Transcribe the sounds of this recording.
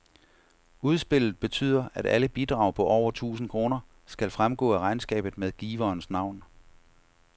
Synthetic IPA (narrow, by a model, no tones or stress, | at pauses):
uð̞ˠsb̥e̝l̰ð̞̩ˠb̥e̝t͡sʰy̰ːð̰ˠɐæɾ̥æləb̥id̥ʁɑ̈ʊpʰɒ̽ʔɒʊ̰ɐt͡sʰṵːsn̩kʰʁo̝ːnɐ | sɡ̥ælfʁamɡ̥ɔ̰̽ːæʁɑ̈ɪnsɡ̥ɛ̰ːb̥ð̩ˠmeðˠɡ̥iːʋɐːnsnɑ̈ʊ̰n